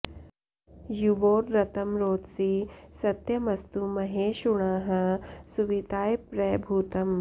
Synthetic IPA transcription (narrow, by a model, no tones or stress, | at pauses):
juʋoːɾːɐt̪ɐmɾoːt̪sisɐt̪jɐmɐst̪umɐɦeːʃuɳaːɦɐ̆suʋid̪aːjpɾɐjbʱuːt̪ɐm